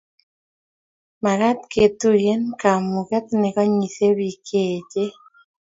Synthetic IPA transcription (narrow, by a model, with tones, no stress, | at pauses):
ma˨ɾa˦t̪ke˨t̪u˦je˦nka˨mu˨kɛ˦t̪nɛ˨ka˦ɲi˨θe˦βi˨kʰe˨d͡ʒe˦